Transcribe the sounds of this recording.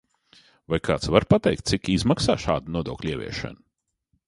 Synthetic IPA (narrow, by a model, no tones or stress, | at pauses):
vajkaːt̪svaɾpat̪ɛjk̚t̪sikizmaksa̰ːʃa̰ːd̪unuɔd̪uɔklʲiɛvʲḭɛʃɛ̰nu